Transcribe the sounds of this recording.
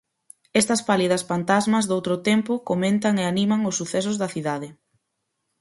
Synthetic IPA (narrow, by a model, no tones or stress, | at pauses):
ɛst̪ɐspaliðɐsfant̪azmɐzðowt̪ɾʊt̪ɛmpʊkomẽnt̪ɐŋeanimɐŋʊsːuθɛs̬ʊzðɐθiðaðɪ